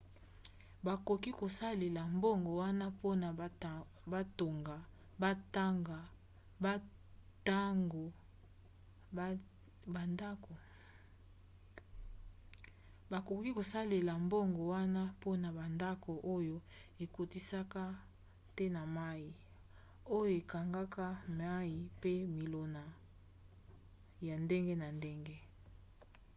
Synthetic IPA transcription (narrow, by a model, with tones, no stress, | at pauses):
ba˨ko˨ki˦ko˨sa˦le˨la˨mbo˦ŋɡo˨wa˦na˦po˦na˨˦ | ba˦to˨ŋɡa˨ | ba˦ta˦ŋɡa˨ | ba˦ta˦ŋɡo˨ | ba˨nda˦ko˨ | ba˨ko˨kki˦ko˨sa˦le˨la˨mbo˦ŋɡo˨wa˦na˦po˦na˨ba˨nda˦ko˨ʔo˦jo˦ | e˨ko˨ti˦sa˦ka˦ | tɛ˦na˨ma˦ji˨ | o˦jo˦e˨ka˨ŋɡa˦ka˦ma˦ji˨pe˦mi˨lo˨na˨ | ja˨nde˦ŋɡe˦na˨nde˦ŋɡe˦